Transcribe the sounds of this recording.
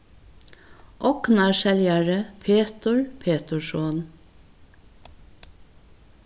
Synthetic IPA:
ʔɔknɑʃɛljæɹəpʰeːt̪əɹpʰeːt̪əʃoːn

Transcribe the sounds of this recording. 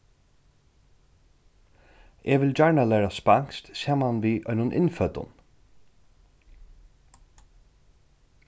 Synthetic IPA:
ʔɛːʋɪld͡ʒaɹɳalɛːɾaspaŋ̥kst̪saːmanʋiːʔɔjnʊnʔɪ̰nfœt̪ʊ̰n

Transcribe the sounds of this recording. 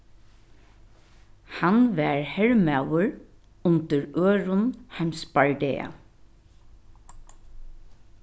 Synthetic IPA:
hanʋɛɹhɛɹmawəɹ | ʊnt̪əɹøːɹʊnhajmsbaɹɖɛːa̰

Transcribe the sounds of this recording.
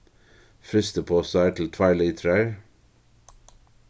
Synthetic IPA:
fɾʏst̪əpʰoːsæʈʰl̩t̪ʰʋæɪɭiːt̪ʰɾæː

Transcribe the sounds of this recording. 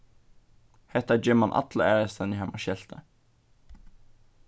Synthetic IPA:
hɛt̪əæːd͡ʒɪmɑnʔɑ̰t̪lə̰æːʁəst̪ɛnihæmɑʃɛlt̪ə̰

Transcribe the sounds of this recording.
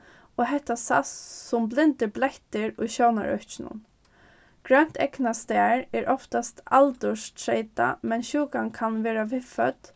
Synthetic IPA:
oːɦɛht̪ːasa̰ssʊmblɪnt̪ɪblɛht̪ɪɹʊjɕowna̰ɹœ̰ht͡ʃɪnʊ̰n | ɡ̥ɹœn̥t̪ʰɛknast̪æːɹɛːɹʔɔft̪ast̪alt̪ʊʃt̪ʰɹeɪt̪a̰mɛnɕuːkankʰanʋɛːɾaʋɪfœt̪

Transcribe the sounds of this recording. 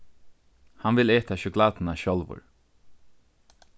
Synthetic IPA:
hanvɪleːt̪aʃʏklaːt̪ɪnaʃɔlvʊ̰ɹ

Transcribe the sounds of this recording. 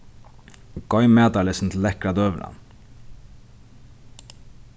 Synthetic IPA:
ɡ̥ɔʏmeːd̪ɑləsn̩t̪ʰl̩ɛkɾɑd̪øːʋlɑ̰n

